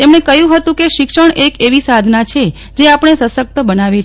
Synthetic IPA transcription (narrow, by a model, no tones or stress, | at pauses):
t̪emɳ̃ekəjũɦət̪ũkeʃɪkʃəɳekeʋisad̪ʱnat͡ʃʰe | d͡ʒeapəɳ̃esəsək̚t̪əbənaʋe